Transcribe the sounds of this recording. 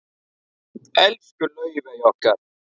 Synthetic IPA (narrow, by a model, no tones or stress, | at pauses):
ɛlfkulojibɛjɔka